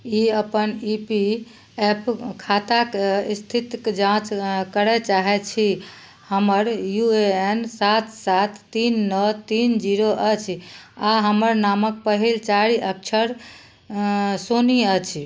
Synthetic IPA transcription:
iəpənipi | epkʰat̪akist̪ʰit̪kd͡ʒãt͡ʃkəɾɛt͡ʃaɦɛt͡ʃʰi | həməɾjueensat̪ʰsat̪ʰːinːət̪ind͡ʒiɾoʔət͡ʃʰaɦəməɾnamək̚pəɦilt͡ʃaɾiʔək̚t͡ʃʰəɾ | soniət͡ʃʰ

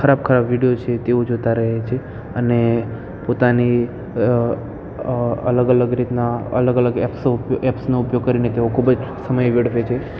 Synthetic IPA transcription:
kʰəɾab̚kʰəɾabʋiɽijot͡ʃʰet̪eʋod͡ʒot̪aɾəɦet͡ʃʰe | əne | pot̪ani | ə̰ləɡələɡɾit̪naə̰ləɡələɡɛpsɛpsnoʊpjoɡ̚kəɾinet̪eʋokʰubəd͡ʒsəməjʋeɽʋet͡ʃʰe

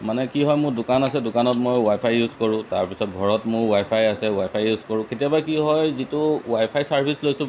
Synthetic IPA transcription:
manɛkiɦɔjmʊɹdʊkanasɛdʊkanɔtmojwajpʰajːuzkɔɹʊ̃taɹpisɔt̚ɡʱɔɹɔtmʊɹwajpʰajasɛwajpʰajːuzkɔɹʊ̃ketijabakiɦɔjzitʊwajpʰajsaɹpʰislojsʊ̃

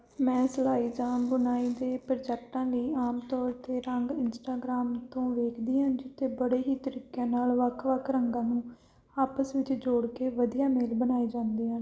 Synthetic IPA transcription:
mɛ̃ːsəlaːiːd͡ʒãːmbʊnaːiːd̪eːpəɾd͡ʒɛːk̚ʈãːliːaːmt̪ɔːɾt̪eːɾəŋɡɪnsʈaːɡɾaːmt̪õːʋeːkʰd̪iːɦãːd͡ʒɪt̪ːeːbəɽeːɦiːt̪əɾiːkːjãːnaːlʋəkʰʋəkʰɾəŋɡãːnũː | aːpəsʋɪt͡ʃd͡ʒoːɽkeːʋəd̪ijaːmeːlbənaːiːd͡ʒãːnd̪iːɦãːn

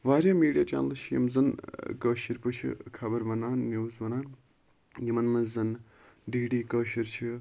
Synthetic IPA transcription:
ʋaːɾʲaːmiːɖijaːt͡ʃa̰ːnɐlʃʰijḭmzɐnkəːʃiɾpɨt͡ʃʰḭkʰɐbɐɾbɐnaːnːjuːzbɐnaːn | jimɐnmɐzzɐn | ɖiːɖiːkəːʃiɾt͡ʃʰi

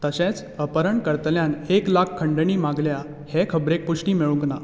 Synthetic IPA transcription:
t̪əɕẽt͡s | əpəɾəɳkəɾt̪ljaneklakʰkʰːəɳɖəɳiːmaɡlja | hekʰəbɾek̚puʂʈiːmeɭũkna

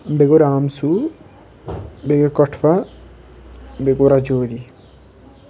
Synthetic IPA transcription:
beɡoɾaːmsu | beɡekɔʈʰfa | beɡoɾad͡ʒoːɾi

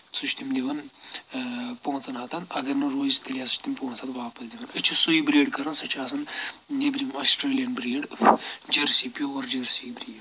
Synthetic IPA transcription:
sut͡ʃʰt̪imd̪ʲiʋɐn | poːnt͡sɐnɦɐt̪ɐnɐɡɐɾnɐɾoːzt̪ɐlijaːsu̥t͡ʃt̪impõːnsʰɐt̪ʋaːpɐsd̪ʲiʋɐnɐt͡ʃʰusuibɾeːɖkɐɾɐnsɐt͡ʃʰaːsɐnnebɾimɐsʈɾeːlijɐnbɾeːɖd͡ʒɐɾsiːpʲiooɾd͡ʒɐɾsibɾiːɖ

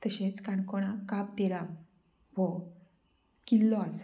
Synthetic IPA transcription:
t̪əɕet͡skaɳkɔɽ̃akap̚t̪eɾa | ʋɔ | kilːɔas

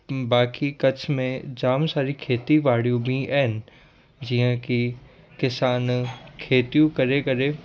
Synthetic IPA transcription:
baːkikɐt͡ɕʰmẽd͡ʑaːmsaːɾikʰeːt̪iʋaːɽ̤ijũbĩʔaɦɪnɪ̆ | d͡ʑiːɦə̃kʰi | kɪsaːnkʰeːt̪ijũkɐɾekɐɾe

